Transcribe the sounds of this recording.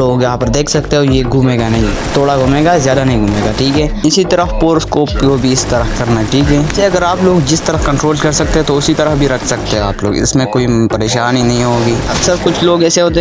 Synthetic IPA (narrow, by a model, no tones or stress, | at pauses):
oːɡjɐɦãpɐɾd̪eːkʰsɐkt̪eɦojeɡʱumeːɡanɐɦĩt̪oːɽaɡʱʊmeːɡazjaːd̪anɐɦĩɡʱuːmeːɡaʈʰiːkɦɛːɪsit̪ɐɾəpoːɾskoːpkobʱiɪst̪ɐɾəfkɐɾnaɦɛʈʰiːkɦɛ̃ːseɐɡəɾaːploːɡd͡ʒɪst̪ɐɾəfkɐ̃ɳʈɾoːlkɐɾsɐk̚t̪eɦɛ̃t̪oʊsit̪ɐɾəfbʱiɾɐkʰsɐkt̪eɦɛ̃aːplo̰ːɡɪ̰smẽkoːipɐɾeːʃaːninɐɦĩɦoːɡiːɐbsɐɾbkʊt͡ʃʰloːɡɛːseɦoːt̪̬e